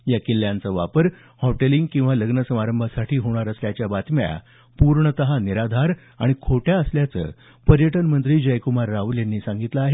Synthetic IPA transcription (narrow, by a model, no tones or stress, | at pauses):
jakilːjant͡səʋapəɾ | hɔʈeliŋɡkĩw̃ʋaləɡnəsəmaɾəmbʱasaʈʰiːɦoɽ̃aɾəsljat͡ɕjabat̪mja̰ | puɾɳət̪əɦaniɾad̪ʱaɾ | a̰ɽ̃ikʰoʈjaəsljat͡sə̰ː | pəɾjəʈənmənt̪ɾiːd͡ʑəjkumaɾːauljanːiːsãŋɡit̪ləaɦe